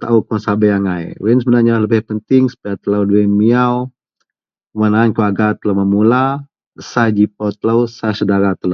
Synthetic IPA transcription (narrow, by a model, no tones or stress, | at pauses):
t̪a̰ukɔsabajaŋaj̰wɛnsəbənarɲaləbɪhpənt̪ɪŋsə̥pajat̪ələwduwɛnmiaw | manaːnkəaɡat̪ələwmamula | sad͡ʒip̚ɔt̪ələwsasədaɾat̪ələ